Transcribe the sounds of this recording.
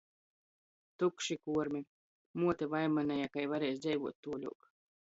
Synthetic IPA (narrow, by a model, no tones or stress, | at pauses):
t̪ukʃikuɔɾmʲi | muɔt̪ɛvajmanʲɛjakajvaɾɛjsd̪zɛjvuɔt̪ːuːɔlʲṵɔk